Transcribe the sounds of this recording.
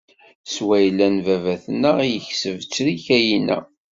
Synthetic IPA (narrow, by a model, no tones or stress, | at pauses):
swæjlːænvævæθənːəijəçsəvt͡sːɾiçæjinæ̰